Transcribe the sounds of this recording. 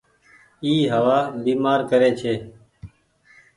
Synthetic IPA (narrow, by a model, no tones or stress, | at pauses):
iːɦəʋaːbiːmaːɾkəɾeːt͡ʃʰeː